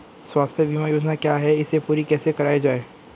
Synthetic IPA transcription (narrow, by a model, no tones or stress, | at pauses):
swaːst̪ʰjəbʱimajoːd͡ʒnakjaɦɛɪsepuːɾikɛːsekɐɾaːed͡ʒaːeː